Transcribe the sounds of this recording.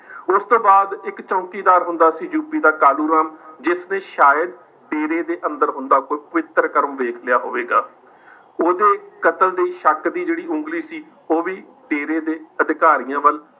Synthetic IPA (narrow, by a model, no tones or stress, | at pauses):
ʊst̪õːbaːd̪ɪkt͡ʃõːkiːd̪aːɾɦʊnd̪aːsiːd͡ʒuːpiːd̪aːkaːluːɾaːmd͡ʒɪsnẽːʃaːjəd̪ | ɖeːɾeːd̪eːʔə̃nd̪əɾɦʊ̃nd̪aːkoːiːpəʋɪt̪ːəɾkəɾõːʋeːkʰlɪjaːɦo̰ːʋeːɡaː | oːd̪eːkət̪əld̪eiʃəkd̪iːd͡ʒeːɽiːʔʊ̃ŋɡliːsiː | oːʋiː | ɖeːɾeːd̪eːəd̪ɪkaːɾijãːʋəl